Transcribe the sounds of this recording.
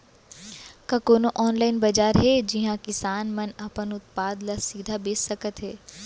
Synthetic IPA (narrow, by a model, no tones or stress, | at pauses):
kakoːnoʔɔːnlaːɪnbɐd͡ʒaːɾɦɛd͡ʒɪɦãkɪsaːnmɐnɐpənʊt̪̚paːd̪lasiːd̪ʱabeːsːɐkət̪ɦɛː